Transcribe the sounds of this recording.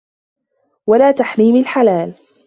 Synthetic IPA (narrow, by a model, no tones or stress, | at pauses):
walaːt̪aħmiːmalħalaːl